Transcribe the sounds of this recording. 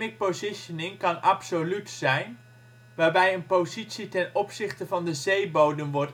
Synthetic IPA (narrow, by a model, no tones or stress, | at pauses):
ɪk̚pozɪʃənɪŋkɑnɑpsolytsɛjn | ʋaːɹbɛjənpozitsitɛnɔpsɪχtəvɑndəzejbowdəmʋɔɹt